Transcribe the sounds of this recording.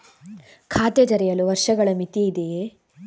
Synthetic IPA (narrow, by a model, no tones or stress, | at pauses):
kʰaːt̪ed͡ʒɐɾɛjɐluʋɐɾʂɐɡɐɭɐmit̪iːd̪e